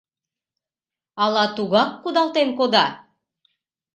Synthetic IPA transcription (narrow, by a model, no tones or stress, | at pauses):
ɑlˠɑt̪uɣɑkːud̪ɑlˠt̪enkod̪ɑ